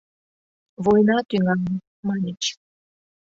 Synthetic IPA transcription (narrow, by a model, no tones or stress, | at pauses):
vojnɑt̪yŋɑn | mɑnʲit͡ɕ